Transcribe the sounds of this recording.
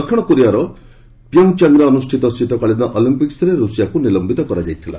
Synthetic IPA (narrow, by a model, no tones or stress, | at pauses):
kʰʌɽ̃ʌkuɾijaɾʌ | pjʌw̃t͡ʃaŋɡɾʌːnusʈʰit̪ʌsit̪ɔkaɭinʌʔɔlimpiksɾeɾusijakonilʌmbit̪ʌkʌɾad͡ʒajt̪ʰila̰